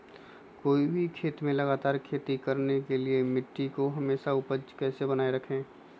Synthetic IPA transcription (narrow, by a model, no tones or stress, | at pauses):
koːibʱikʰeːt̪mẽlɐɡaːt̪aːɾkʰeːt̪ikɐɾnekeliemɪʈːikoɦɐmeːʃaʊpəd͡ʒkɛːsebənaːeɾɐkʰẽː